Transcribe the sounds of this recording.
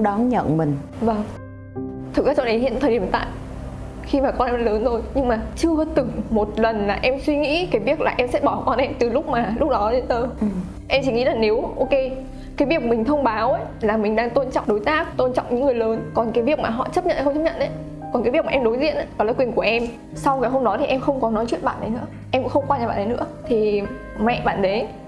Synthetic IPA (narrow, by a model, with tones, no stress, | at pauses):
ɗɔ˨˦nɲə̰˧˨nmï˨˩ŋ̟ | va˧˩ŋ | t̪ʰɨ˨˩kza˨˦t͡ɕɔ˧ə˨˦jɦḭ˧˨t̪ʰə˨˩˧t̪a̰ː˧˨j | xi˧maː˨˩kɔ˧nʔɛ˧m˧ləː˨˦nt̪ʰo˧jɲɨ˧ŋmaː˨˩t͡ɕɨ˧ət̪ɨ˨˩ŋmo˨˩t̚lə˨˩nlaː˨˩ʔɛ˧mswi˧ŋḭ˧˥kaː˨˦jvi˦˥ək̚laː˨˩ʔɛ˧msɛ̰˧˥ɓɔ˧˩kɔ˧nʔɛ˧mt̪ɨ˨˩lʊ˦˥k͡p̚maː˨˩lʊ˦˥k͡p̚ɗɔ˨˦ɗe˨˧˦nt̪əː˧˨˩ | ʔɛ˧mt͡ɕi˧˩ŋḭ˧˥laː˨˩ne˨˦wʔo˧ke˧ | kaː˨˦jvi˨˩ək̚mï˨˩ŋ̟t̪ʰə˧wŋ͡mɓaː˨˦wʔə˨˦ | laː˨˩mï˨˩ŋ̟ɗaː˧ŋt̪o˧nt͡ɕɔ̰˧˨wŋ͡mɗo˨˦jt̪aː˦˥k̚t̪o˧nt͡ɕɔ̰˧˨wŋ͡mɲɨ̰ː˧˥ɨ˨˩əjləː˨˦nkɔ˨˩nkaː˨˦jvi˦˩ək̚maː˨˩ɦɔ̰˧˨t͡ɕə˦˥p̚ɲə̰˧˨ʔxŋ͡mt͡ɕə˦˥p̚ɲə̰˧˨nʔə˨˦j | kɔ˨˩nkaː˨˦vi˧˩əkmaː˨ʔɛ˧ɗo˨˦jzḭ˧˨ənʔa˨˦a˨˦laː˨˩kwi˨˩ənku˧˩əʔɛ˧m | sa˧wkaː˨˦jɦo˧ŋ͡mɗɔ˨˦t̪ʰi˨˩ʔɛ˧mxə˧wŋ͡mkɔ˨˦nɔ˨˦t͡ɕwḭ˧˨ənɓa̰ː˧˨nɗə˨˦jnɨ̰˧˥ | ʔɛ˧mkʊ̰˧˥xə˧wŋ͡mkwa˧ɲaː˨˩ɓaː˧˨ɗə˨˦nɨ̰˧˥ət̪ʰi˨˩ | mɛ̰˧˨ɓa̰ː˧˩˨nɗə˨˦